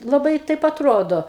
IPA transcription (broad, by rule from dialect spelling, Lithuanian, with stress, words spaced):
lˠɐˈbɐɪ ˈtɐɪp ɐtˈroːdoː